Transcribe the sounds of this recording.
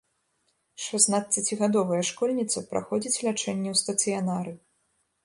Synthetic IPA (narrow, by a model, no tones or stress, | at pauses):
ʂɔznat̪̚t͡sʲat͡sʲiɣad̪ɔvɐjɐʂkɔlʲnʲit̪sɐpɾʔa̰xɔd͡zʲit͡sʲlʲat͡ʂɛnʲːɛwst̪ɐt̪sɨjanaɾɨ